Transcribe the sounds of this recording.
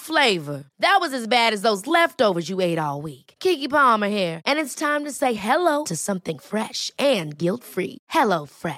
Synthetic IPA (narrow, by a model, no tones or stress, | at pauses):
fleɪvə˞ðɨt̚wʌzɨzbæɾɨzðoʊzlɛftoʊvə˞zjɨeɪɾɔlˠwikkʰikipɑmə˞ɦiɹʔɨ̃nɨtstʰãɪ̃mtɨseɪɦɛloʊɾʰɨsʌ̃mθɪ̃ŋfɹɛʃʔɨ̃nɡɪlˠtfɹḭhɛloʊfɹɛ